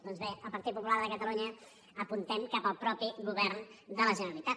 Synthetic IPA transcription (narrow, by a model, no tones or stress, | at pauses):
d̪ɔnzβeəlˠpəɾt̪it̪pupulaɾðəkət̪əluɲə | əpunt̪ɛmkapəlˠpɾɔpiɣuβɛrnd̪ələʒənəɾəlit̪a